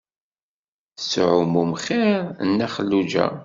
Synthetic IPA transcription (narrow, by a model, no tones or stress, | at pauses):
sʕʊmumχiɾnːæχəlːud͡ʒæ̰